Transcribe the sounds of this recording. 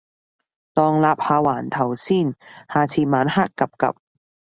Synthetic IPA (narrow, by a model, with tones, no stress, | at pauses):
t̪ɔː˨˧ŋlaː˧p̚haː˧waː˨˩nt̪ʰɐ˨˩wsiː˥˩nhaː˨t͡sʰiː˧maː˨˥nhaː˥kːɐ˨p̚kɐ̰˨p̚